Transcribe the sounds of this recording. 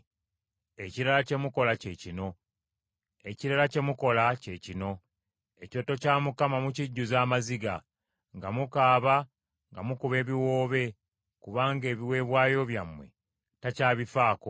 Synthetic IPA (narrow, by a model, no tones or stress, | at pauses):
e̞ciɾalace̞muko̞lace̞cino̞ | e̞ciɾalace̞muko̞lace̞cino̞ | e̞co̞tocaːmukamamuciɟːuzaːmaziɡa | ŋɡamukaːβa | ŋɡamukuβe̞ːβiwo̞ːβe̞ | kuβaːŋɡe̞ːβiwe̞ːβwaːjo̞βjamwe̞̰ | tacaːβifaːko